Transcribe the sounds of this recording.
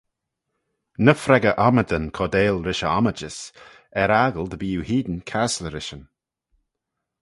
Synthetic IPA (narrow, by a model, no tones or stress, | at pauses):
nəfɾɛɡəʔaməd̪ənkʰɔd̪eːlɾɪʃəaməd͡ʒəs | ɛɾaːɡəld̪əbiːuhiːd̪ənkʰasləɾɪʃən